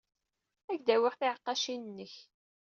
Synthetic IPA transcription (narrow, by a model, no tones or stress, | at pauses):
æʝd̪æwɪχθɪʕəqːɑʃinənːəç